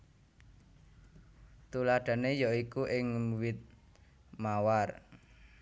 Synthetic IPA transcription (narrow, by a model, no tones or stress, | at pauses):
t̪ulaɖ̥ä̤nejɔikuʔɪŋwɪt̪̚ | mawar